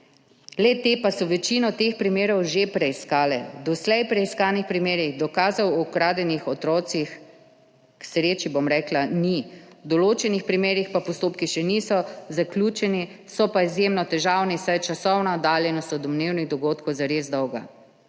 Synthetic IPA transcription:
lɛt̪eːpasɔʋɛt͡ʃiːnɔt̪expɾimeːɾɔwʒepɾɛiskaːlɛ̰d̪ɔslɛjpɾɛiskaːnixpɾimeːɾiɣd̪ɔkaːzawkɾaːd̪ɛnixɔt̪ɾɔːt̪six | ksɾeːt͡ʃibomɾɛːklanid̪ɔloːt͡ʃɛnixpɾimeːɾixpapɔst̪oːpkiʃɛnisɔzaklʲut͡ʃɛnisɔpaizjemnɔt̪ɛʒaːwnisajt͡ʃasɔwnaɔd̪aːljɛnɔst̪ɔd̪ɔmneːwniɣd̪ɔɡoːt̪kɔwzaɾeːzd̪ɔwɡa̰

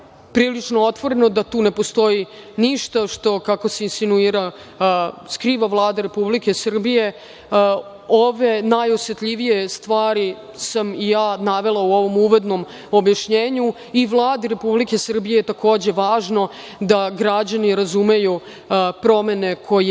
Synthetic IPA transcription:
pɾiːlit͡ʂnoot̪ʋo̞ɾe̞no̞d̪at̪uːne̞post̪o̞jiniʃt̪aʃt̪o̞kako̞seinsinuiːɾa | skɾiːʋaʋlˠaːd̪aɾe̞publike̞sr̩bije̞ | oʋe̞najosjet̪ʎiʋije̞st̪ʋaːɾi | samijaːnaʋe̞lˠauo̞ʋo̞muʋod̪no̞m | objaʃɲeːɲu | iʋlˠaːd̪iɾe̞publike̞sr̩bijejet̪ako̞ːd͡ʑe̞ʋaːʒno̞ | d̪aɡɾad͡ʑaniɾazume̞ju | pɾo̞me̞ne̞kʰo̞je

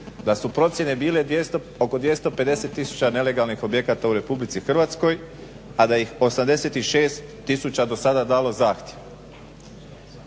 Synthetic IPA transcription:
d̪asupɾo̞t̪sje̞ne̞biːled̪eo | oko̞d̪ʋje̞st̪o̞pe̞d̪e̞se̞t̪ːisu̥t͡ɕane̞le̞ɡalnixo̞bje̞kat̪auɾe̞publit̪sixr̩ʋat̪sko̞j | ad̪ajixo̞samd̪e̞se̞t̪iʃe̞ːst̪ːisut͡ɕad̪o̞sad̪ad̪aːlo̞zaːxt̪ʲje̞ʋ

